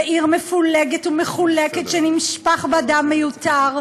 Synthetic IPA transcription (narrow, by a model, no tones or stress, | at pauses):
ʔiʁmefuleɡetumeχuleket̪ʃenimʃpaχbeadamːejutaʁ